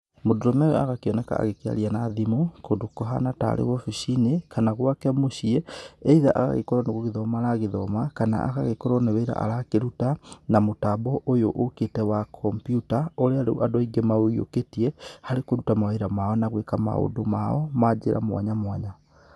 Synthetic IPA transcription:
modoɾɔmɛɛa̰ɣakeɔnɛka̰a̰ɣekea̰ɾianaðimokondokɔɦanata̰ɾḛɣɔfiʃinekanaɣwakɛmoʃiɛeiðaʔaɣa̰ɣḛkɔɾɔneɣoɣeðɔmaɾaɣeðɔmakana̰ʔa̰ɣaɣekɔɾɔneweɾa̰ʔa̰ɾakeɾutanamotabɔʔojoʔoketɛwakʰɔmpjutaoɾeaɾeʔadwaiɡemaoio̰ketiɛhaɾekoɾutamaweɾamaɔnaɣwekama̰o̰domaɔmad͡ʒeɾʔa̰mwa̰ɲamwaɲa

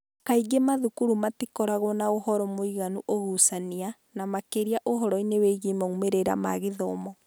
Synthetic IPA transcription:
kaiɡemaðukuɾumatikɔɾaɣɔnaohɔɾɔmoiɣanuʔoɣusania | namakeɾiaʔoɦɔɾɔineweɣimaumeɾeɾa̰ma̰ɣeðɔmɔ

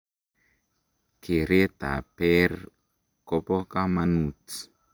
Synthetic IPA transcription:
keɾet̪a̰pɛɾ | kopɔkamanuti̥

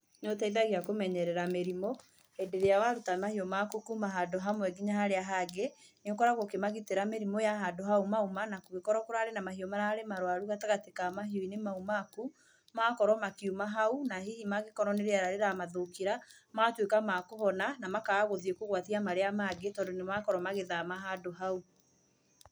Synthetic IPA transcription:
nɔtaiðaɣeakomɛɲɛɾɛɾameɾimo | edeɾejawaɾutamahiɔmakukumaɦadoɦamwɛɡiɲahaɾeaɦaɡeneokɔɾaɣokemaɣiteɾameɾimojaɦadoɦaumaumanakoɣekɔɾɔkoɾaɾenamaɦiɔmaɾahaɾemaɾowaɾuɣataɣatekamaɦiɔinemaumaku | makɔɾɔmakiumaɦaunaɦihimaɣekɔɾɔneɾeaɾaɾeɾamaðokiɾa | matwekamakoɦɔnanamakaːɣoðiekoɣwatiamaɾeamaɡetɔːndonemakɔɾɔmaɣeðamaɦadoɦau

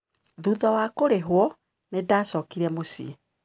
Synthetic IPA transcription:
ðuðawaːkoɾeɦwɔ | nedaːsɔkiɾɛmosḭ

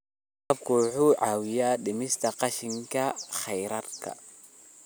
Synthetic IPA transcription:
qɐbkʰʊħuːʕaːwɪjaːɗɪmɪst̪ʰɐqɑʃɪŋkʰɐχɛjɾɐrkʰɐ̰

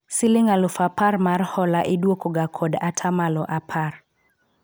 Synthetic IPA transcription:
sɪlɪŋalʊfaparmarhɔlaʔɪdwokoɡakʰɔdatʰamalɔʔapʰar

